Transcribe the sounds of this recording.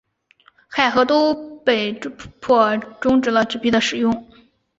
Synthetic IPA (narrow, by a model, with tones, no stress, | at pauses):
xa˥˩ɪxɤ˧˥t̪o˥ʊpe˥˩ɪpʰwɔ˥˩ʈ͡ʂʊ˥ŋʈ͡ʂɻ̩˧˥lə˧ʈ͡ʂɻ̩˥˩pi˥d̪ə˧ʂɻ̩˨˩jʊ˥˧ŋ